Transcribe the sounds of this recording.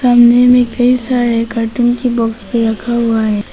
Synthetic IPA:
saːmnemẽkɐisaːɾekaːʈʊnkebɔːkspəɾɐkʰaɦuaɦɛː

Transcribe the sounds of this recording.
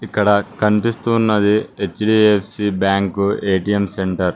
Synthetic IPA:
ikːɐɽɐkɐnipist̪uːnːɐd̪iet͡ʃɖiːepʰsiːbaːŋkueːʈiemse̞ɳʈɐɾ

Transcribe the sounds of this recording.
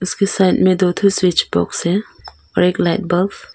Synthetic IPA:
ʊskesaɪtmẽd̪ot̪ʰuswɪt͡ʃbɔ̰ksɛ | ɔ̰ɾeklaɪt̚bəlf

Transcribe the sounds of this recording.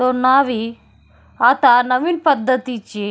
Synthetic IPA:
onːaːʋi | at̪anɐʋilpɐd̪ːɐt̪it͡ʃːi

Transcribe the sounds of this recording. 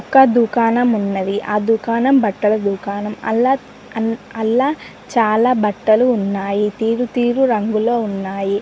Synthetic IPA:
ɔkːɐd̪ukaːnɐmunːɐd̪iʔaːd̪ukaːnɐmbɐʈːɐlɐd̪uːkaːnɐmɐ̰lːaː | ɐlːaː | t͡ʃaːlaːbɐʈːɐluːnːaːjit̪iːɾut̪iːɾuɾɐŋɡulo̞ːunːaːji

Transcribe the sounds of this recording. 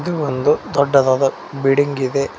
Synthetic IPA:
d̪uond̪ud̪ɔɖːɐd̪aːd̪ɐ | biɽiŋɡid̪e̞

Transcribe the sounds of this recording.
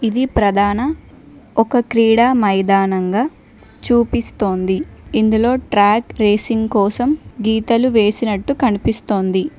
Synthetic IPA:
id̪ipɾɐd̪ʱaːnɐ | ɔkɐkɾiːɽaːmɐjd̪aːnɐŋɡaː | t͡ʃuːpist̪o̞ːnd̪iind̪ulo̞ːʈɾaːkɾe̞ːsiŋɡkɔːsɐmɡiːt̪ɐluʋe̞ːsinɐʈːukɐnipist̪o̞ːnd̪i

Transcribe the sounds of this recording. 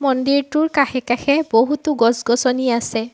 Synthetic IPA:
mɔndiɹtuɹkaxɛkaxɛboɦutuɡɔsɡɔsɔniasɛ

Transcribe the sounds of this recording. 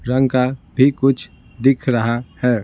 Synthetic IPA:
ɾɐ̃ŋɡkabʱikʊt͡ʃʰ | d̪ɪkʰɾɐɦahɛː

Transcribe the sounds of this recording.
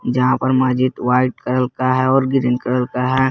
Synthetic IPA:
d͡ʒɐɦãpɐɾmaːd͡ʒɪt̪ʋaːɪʈ̚kɐɾəlkaɦɛɔːɾɡɪɾə̃nkɐɾəlkaɦɛ

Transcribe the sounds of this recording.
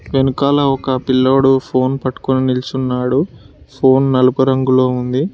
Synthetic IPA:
ʋenukaːlɐɔkɐpilːoːɽupʰo̞ːnpɐʈːu̥kuninilt͡ʃunːaːɽu | pʰo̞ːnnɐlupɐɾɐŋɡuloːund̪i

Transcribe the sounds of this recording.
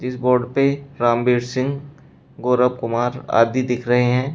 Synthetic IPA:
d͡ʒɪsboːɾɖpeɾãːmbeːɾsɪ̃ŋɡ | ɡoːɾəb̚kʊmaːɾa̰ːd̪ʱid̪ɪkʰɾɐɦeɦɛ̃ː

